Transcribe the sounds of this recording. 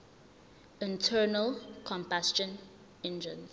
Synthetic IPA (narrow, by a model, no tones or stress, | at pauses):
ɪ̃ntʰɛːnəlkʰɔ̃mpast͡ʃə̃n | ɪ̃nd͡ʒə̃n